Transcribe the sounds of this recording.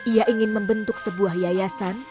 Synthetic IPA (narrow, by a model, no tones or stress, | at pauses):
iaʔiŋɪnməmbənt̪ʊk̚səbuahjajasan